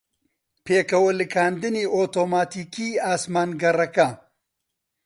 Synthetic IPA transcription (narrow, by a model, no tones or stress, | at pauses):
pʰeːkɐwɐlɨkʰaːnd̪ɨniːʔoːt̪oːmaːt̪iːkiːaːsmaːnɡɐrɐkɐ